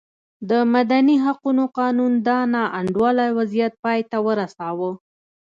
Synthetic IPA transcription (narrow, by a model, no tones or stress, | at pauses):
d̪əmad̪aniɦaqunoqɑnund̪ɑnɑʔaɳɖwɑlajwazijat̪̚pɑjt̪awəɾasɑwə